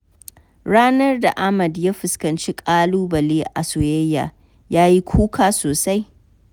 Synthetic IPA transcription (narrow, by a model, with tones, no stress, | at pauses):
ɽaː˦nɐ˦rda˨ʔa˦mɐ˨dja˦ɸɪ˨skɐ˨nt͡ʃi˦kʼaː˦luː˦bɐ˨leː˦ʔa̰˨sʊ˨weː˦jːa̰ː˨ | jaː˦ji˦kʷʰuː˦kʰaː˦soː˨sa˦j